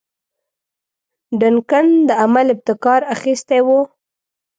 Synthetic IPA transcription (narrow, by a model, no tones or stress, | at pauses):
ɖankand̪əamalɪb̚t̪ɪkɑɾaxist̪ejwu